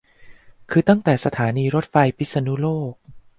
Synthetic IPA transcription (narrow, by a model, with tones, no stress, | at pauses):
kʰɯː˧t̪a˥˩ŋt̪ɛː˨˩sa˧t̪ʰaː˩˦niː˧ɾo˦˥t̪̚fa˧jpʰi˦˥t̪̚sa˧nu˦˥loː˥˩k̚